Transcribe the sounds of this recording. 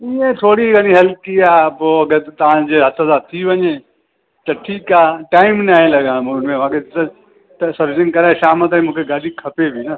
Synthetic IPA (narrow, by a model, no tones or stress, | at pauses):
iẽt̪ʰoːɽiɡɐniɦɛlkiaboɐɡəɾt̪ɐʋ̤ãd͡ʒeɦɐt̪ʰəzat̪ʰiʋɐɲe | t̪ɐʈʰiːkaːʈaːɪmnaːẽlɐɡãmnmẽʋaːketɐ | t̪ɐsɐɾʋɪsɪ̃ŋkɐɾaʃaːmət̪aĩmũːkʰeɡaːdʱikʰɐpebʱina